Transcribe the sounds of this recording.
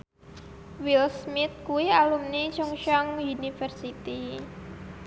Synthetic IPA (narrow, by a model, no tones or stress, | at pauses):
wilsmɪt̪̚kuwialumnit͡ʃʊŋʃɔŋunifərsit̪i